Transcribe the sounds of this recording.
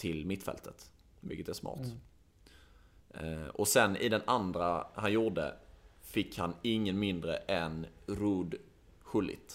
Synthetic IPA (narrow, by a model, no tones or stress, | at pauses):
t̪ʰɪlmɪt̪ːfɛ̰lt̪ʰət̪ | mɪ̰kːət̪æsmɑ̰ːɾt̪ | ɔsɛnɪ̰d̪ɛnand̪ɾahanjʊɖ̪ə̰fɪkːhanɪŋːənmɪnd̪ɾəʔɛnɾuːd̪ | ɧɵlːɪ̰t̪